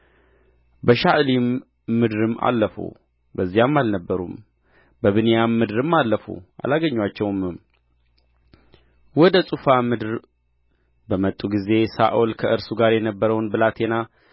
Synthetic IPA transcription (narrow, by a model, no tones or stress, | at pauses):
bəʃaʔlimː | ɨd̪ɾɨma̰lːəfṵ | bəzːijamːalnəbːəɾṵm | bəβɨnijamːɨd̪ɨɾɨmːalːəfṵʔa̰laɡəɲːwat͡ʃːɛwmɨm | wɔd̪əsʼufamɨd̪ɾ | bəmət̪ʼːuɡize̞sa̰ʔolkʰəʔɨɾsuɡaɾjɛnəbːəɾəwnbɨlat̪ʰena